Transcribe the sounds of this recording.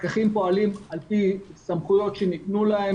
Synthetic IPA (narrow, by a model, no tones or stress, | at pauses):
kaχimpo̞alimalpisamχujo̞tʃeniknulahe